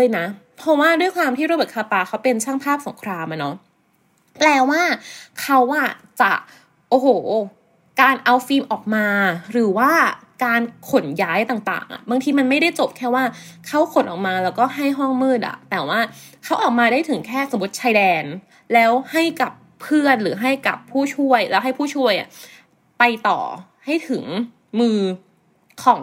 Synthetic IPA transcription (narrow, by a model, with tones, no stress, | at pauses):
ləː˧jna˦˥pʰɔ˦˥waː˥˩du˥˩əjkʰwaː˧mt̪ʰiː˥ɾoː˧bɤː˨˩kʰa˧p̪aː˧˩kʰa˦˥wpe˧nsʰaː˥˩ŋpʰaː˥˩p̚so˩˦ŋkʰɾaː˧mʔa˨˩nɔ˦˥ | plɛː˧waː˥˩kʰa˦˥wʔa˧˥˩t͡ɕa̰˨˩ | ʔoː˧˩hoː˨˩ | kaː˧nʔa˧wfiː˧mʔɔː˨˩k̚maː˧ɾɯː˩˦waː˥˩kaː˧nkʰo˨˩˦njaː˦˥jt̪aː˨˩ŋt̪a̰ː˨˩ŋʔa̰˨˩baː˧ŋt̪ʰiː˧ma˧nma˥˩jda˥˩jt͡ɕo˨˩p̚kʰɛː˥˩waː˥˩kʰa˦˥wkʰo˨˦nʔɔ̰ː˨˩k̚maː˧lɛː˦˥wkɔː˥˩ɦa˥˩jɦɔ˥˩ŋmɯː˥˩t̪̚ʔa̰˨˩t̪ɛː˨˩waː˥˩kʰa˦˥wʔɔː˨˩k̚maː˧daː˥˩jt̪ʰɯ˩˦ŋkʰɛː˥˩so˩˦bu˨˩ə˩t̚t͡ɕʰaː˧jdɛː˧n | lɛː˦˥wha˥˩jka˨˩pʰːɯ˥˩ənɾɯː˩˦ɦa˥˩jka̰˨˩pʰːuː˥˩t͡ɕʰu˥˩əjlɛː˦˥wɦa˥˩jpʰuː˥˩t͡ɕʰu˥˩əjʔa̰˨˩ | pa˧jt̪ɔ̰ː˨˩ | ha˥˩jt̪ʰɯ˩˦ŋ | mɯː˧ | kʰɔː˩˦ŋ